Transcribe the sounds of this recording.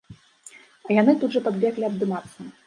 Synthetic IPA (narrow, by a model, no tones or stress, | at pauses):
ɐjanɨt̪ud̪ʐɐpɐd̪vʲaklʲiɐbd̪ɨmat̪sːɐ